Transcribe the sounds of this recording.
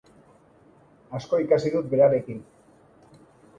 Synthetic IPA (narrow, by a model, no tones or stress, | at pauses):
asko̞ikasiðut̪̚be̞ɾaɾe̞kin